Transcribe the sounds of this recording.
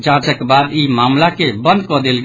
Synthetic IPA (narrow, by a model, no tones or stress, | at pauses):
d͡ʒãt͡ʃɛkebad̪imamlakebə̃nd̪kɔd̪elɡ